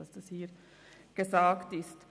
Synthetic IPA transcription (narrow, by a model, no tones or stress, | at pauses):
ɑsd̥ɑshiːɾ | ɡ̥əzaːktɪst